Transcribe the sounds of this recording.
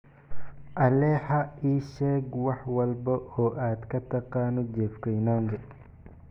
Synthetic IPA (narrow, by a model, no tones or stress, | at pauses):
ʔɐlɛħɐiːʃɛːɡwɑħwɐlbɐʔɔːʔaːd̪kɐt̪ʰɐqɑːnʊd͡ʒɛːfkɛjnaːŋɡɛ